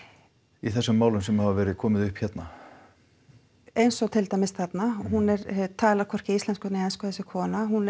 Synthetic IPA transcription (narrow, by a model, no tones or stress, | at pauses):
iθɛsːʏmːaːwlʏmsɛmhavavɛːɾɪðkʰɔːmɪðʏhpçɛt̪na | ejnsɔt̪ʰɪlt̪ajmɪsθat̪naɦunɛɾt̪ʰaːlakʰvɔr̥cɪislɛnskʏt̪nɪɛjnskaθɛsːɪkʰɔːnaɦun